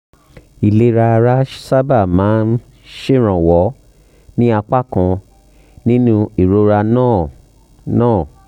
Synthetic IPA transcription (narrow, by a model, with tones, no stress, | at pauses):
i˨le˨˦ɾa˧ɾa˦sa˦ba˦˨mãː˨˦n | ʃe˦˨ɾ̃ɔ̃˨wɔ˨˦ | nĩ˦a˧k͡pa˦kɔ̃˧ | nĩ˦nũ˧i˨ɾo˨˦ɾa˧nã˦˨ | nãː˦˨